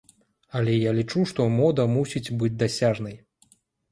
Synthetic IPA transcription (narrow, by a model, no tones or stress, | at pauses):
ɐlʲɛjalʲit͡ʂuʂt̪ɔmɔd̪ɐmusʲit͡sʲbɨd͡zʲd̪asʲaʐnɐj